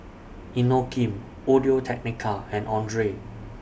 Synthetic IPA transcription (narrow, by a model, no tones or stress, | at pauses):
inokʰĩm | odiotʰɛk̚nikʰaɛ̃nʔɔ̃ndɹe